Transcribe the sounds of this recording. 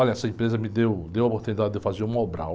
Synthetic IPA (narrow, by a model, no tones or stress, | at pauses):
ɔʎʲɐɛsɐẽpɾezɐmɪd̪ewd̪ewɐopoɾt̪unid̪ad̪ɪd̪ewfazeɾũmobɾa̰w